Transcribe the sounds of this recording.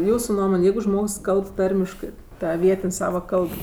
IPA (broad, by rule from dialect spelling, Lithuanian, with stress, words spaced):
ˈjuːsʊ ˈnuɔmoːnʲ ˈjɛɪɡʊ ˈʒmoːks ˈkɐlˠp ˈtɐrʲmʲɪʃkɜ ˈtɐ ˈʋʲiɛtʲɪnʲ ˈsɑːʋɐ ˈkɐlˠp